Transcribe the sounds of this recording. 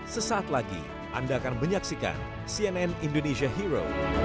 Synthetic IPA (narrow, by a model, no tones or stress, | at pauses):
səsaːt̪laɡḭ | ʔa̰ndaːkanməɲaksika̰n | siɛnɛnindoneʃiaɦiɾo̰